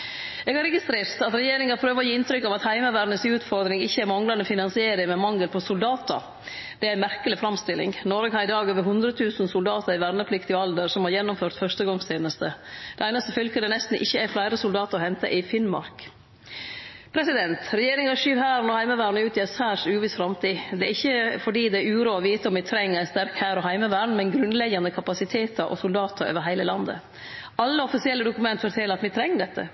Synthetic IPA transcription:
eːɡhɑɾɛɡɪst̪ɾeːɾt̪ɑt̪ɾɛjeːɾɪŋɑɾpʰɾøːʋəɾɔjiːɪnt̪ʰɾʏkːɑʋɑt̪hæɪməʋæːɾnəsʉːt̪fɔɾd̪ɾɪŋɪçːəæɾmɑŋlɑnəfɪnɑnsɪeːɾɪmɛmɑŋːəlpʰɔsʊld̪ɑːt̪ə̰ɾ | d̪̥ɛæɾæɪmæɾkəlɪfɾɑmst̪ɪlɪ̰ŋnɔɾɡəhɑɾɪd̪ɑːɡøːʋəɾɦʉnd̪ɾət̪ʰʉːsnsʊld̪ɑːt̪ʰəɾɪʋæɾnəpʰlɪkt̪ɪɑld̪əɾsɔmhɑɾjɛnːʊmføːɾt̪fœʂtəɡɑŋseːnəst̪əd̪̥ɛæɪnɑst̪əfʏlkəd̪ɛnɛst̪n̩ʔɪçːəæflæɪɾəsʊld̪ɑːt̪əɾɔhɛnt̪ə̰ʔɪfɪnmɑ̰ɾk | pʰɾɛsɪd̪ɛnt̪ɾɛjeːɾɪŋɑʂyːʋhæːɾnɔːhæɪməʋæːɾɳʉːt̪ɪɛsæːʂʉːʋɪsfɾɑmt̪ʰiːd̪ɛæɾɪçːəfɔɖiːd̪ɛɾʉːɾuːɔʋiːt̪əɔmʋɪt̪ʰɾɛŋːəɾɛnst̪æɾkhæːɾɔɦæɪməʋæːɳmɛnɡɾʉnlɛɡɑnəkʰɑpɑsɪt̪ʰeːt̪ʰɑɾʔɔ̰sʊld̪ɑːt̪əɾø̰ːʋəɾɦæɪləlɑnd̪ə̰ | ɑlːəɔfɪsɪɛlːəd̪ʊkʉmɛnt̪fɔʈ̪ʰɛləɾɑt̪ʋɪt̪ʰɾɛŋːəɖɛt̪ʰːə̰

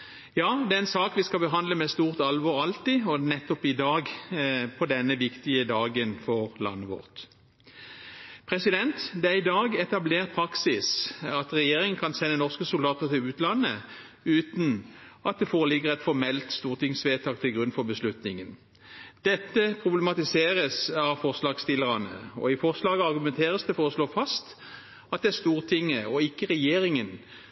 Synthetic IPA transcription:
jɑːd̪ɛæʁɛnsɑːkʋɪskɑbəɦɑnd̪ləmɛst̪uːʁt̪ɑlʋɔːʁɑlt̪ɪɔnɛt̪ːɔpɪd̪ɑːɡpʰɔd̪ɛnːəʋɪkt̪ɪəd̪ɑːɡənfɔʁlɑ̰nːəʋɔ̰ʁt̪ | pʰʁɛsɪd̪ɛnt̪d̪ɛæɪd̪ɑːɡɛt̪ɑbleːʁt̪̚pʰɾɑksɪsɑt̪ʁɛjeːʁɪŋən̩kʰɑnsɛnːənɔʁskəsʊld̪ɑːt̪əʁt̪ʰɪlʉːt̪lɑnːə | ʉːt̪n̩ɑt̪̚d̪ɛfɔʁəlɪɡəʁɛt̪fɔmɛlt̪st̪uːʁt̪ɪŋsʋeːt̪ʰɑːk̚t̪ʰɪlɡʁʉnfɔʁbəslʉt̪nɪŋən | d̪̥ɛt̪ːəpʰʁʊblɛmɑt̪ɪseːʁəsɑʋfɔʁslɑːɡst̪ɪləʁɑnə̰ɔ̰ɪfɔʁslɑːɡəɑʁɡʉmɛnt̪ʰeːʁəsd̪ɛfɔʁɔsloːfɑst̪ | ɑt̪̚d̪ɛæʁst̪uːʁt̪ʰɪŋːəɔɪkːəʁɛjeːɾɪŋən

